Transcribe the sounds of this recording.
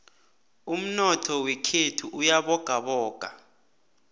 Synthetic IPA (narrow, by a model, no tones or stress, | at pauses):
um̩nɔtʰɔwekʰetʰuʔujaɓɔɡ̥ʱaɓɔːɡ̥ʱa